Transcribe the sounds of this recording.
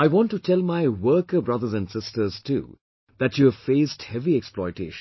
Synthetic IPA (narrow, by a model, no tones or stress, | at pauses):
aɪwɔ̃ntːutʰɛlˠmaɪwəːkəbɹʌðəzæ̃ndsɪstə˞z̥tʰṵː | ðætjuvfeɪsthɛviɛksplɔɪteɪʃ